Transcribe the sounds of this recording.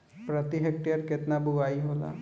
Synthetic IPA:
pɾət̪iɦek̚ʈejəɾkɪt̪nabʊɡaːiɦoːla̰ː

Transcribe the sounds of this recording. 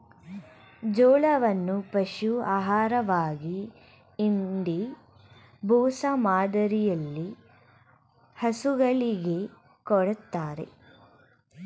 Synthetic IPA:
d͡ʒɔːɭɐʋɐnːupɐʃuaːɦaːɾɐʋaːɡiː | ɳɖ̪i | bʱuːsamaːd̪ɐɾijɐlːi | hɐsuɡɐɭiɡe̞ | kɔɽɐt̪ːaːɾe̞̰

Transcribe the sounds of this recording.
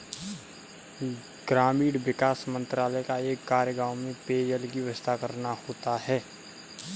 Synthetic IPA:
ɡ̥ɾaːmiːɽʋɪkaːsmə̃nt̪ɾaːləkaeːkːaːɾjəɡaːwmẽpeːd͡ʒəlɡiʋəst̪ʰakɐɾnahoːt̪aɦɛː

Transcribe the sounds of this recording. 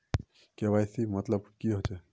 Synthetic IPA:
keʋajsimɐt̪ləbkiɦot͡ʃe

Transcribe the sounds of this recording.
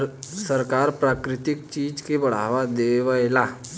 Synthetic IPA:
səɾkaːɾpɾaːkɾɪt̪ɪkt͡ʃiːd͡ʒkebɐɽ̤a̰ːʋad̪eːʋəelaː

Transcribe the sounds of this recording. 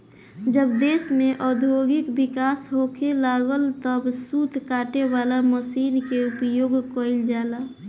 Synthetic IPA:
d͡ʒəbd̪eːsmẽʔɔd̪ʱjoːɡɪkbɪkaːsɦokʰelaːɡəlt̪əbsuːd̪ʱkaːʈewaːlaməsiːnkeupjoːɡkəɪld͡ʒaːla

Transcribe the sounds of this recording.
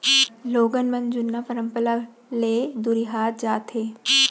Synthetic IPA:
loːɡənmə̃nd͡ʒʊnːapəɾə̃mpəla | leːd̪uɾiɦaːt̪̚d͡ʒaːt̪ɦeː

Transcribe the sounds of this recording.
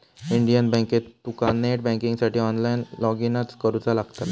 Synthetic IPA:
iɳɖijənbɛ̃ŋket̪ukanːeʈ̚bɛ̃kiŋɡsaʈiːɔnlajnlɔɡinat͡skəɾut͡salaɡt̪at̪

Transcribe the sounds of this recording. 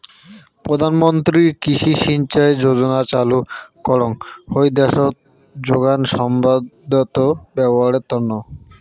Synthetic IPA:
pɾod̪ʱanmont̪ɾiɾkiʃiʃint͡ɕaed͡ʑod͡ʑonat͡ɕalukɔɽoŋhojd̪ɛʃot̪̚ | d͡ʑoɡanʃɔmbad̪ot̪obɛboɦaɾet̪ːɔnːo

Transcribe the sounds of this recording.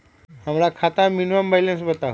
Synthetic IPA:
hamlakʰat̪aminʋambajlẽnsbət̪a

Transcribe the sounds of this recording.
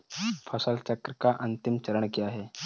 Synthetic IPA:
pʰɔsəlt͡ɕəkɾəkaʔənt̪imt͡ɕəɾəɳkiaɦe

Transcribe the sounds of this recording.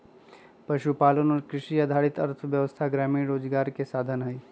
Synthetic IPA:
pəʃupaːlənɔːɾkɾɪʃiəd̪ʱaːɽɪt̪əɾt̪ʰʋjəʋəst̪ʰaɡɾaːmiːɾoːd͡ʒɡaːɾkesaːd̪ʱənɦəj

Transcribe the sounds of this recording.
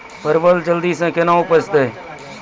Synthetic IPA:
pəɾʋəld͡ʒəld̪iːsẽːkenãːʊpət͡ʃt̪eː

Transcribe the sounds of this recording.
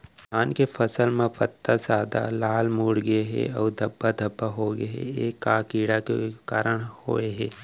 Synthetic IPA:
kʰaːnkepʰəsəlmẽpət̪ːazaːd̪a̰laːlmuːɽɡəeɦɛ̰ɔːɾd̪ʱɐbːad̪ʱɐbːaɦoːɡɦɛ̰eːkːaːkiːɽakḛkaːɾəɽ̃ho̰ːeɦɛː

